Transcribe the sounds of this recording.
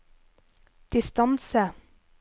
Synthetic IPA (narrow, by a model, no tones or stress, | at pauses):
d̪̥ɪst̪ɑnsə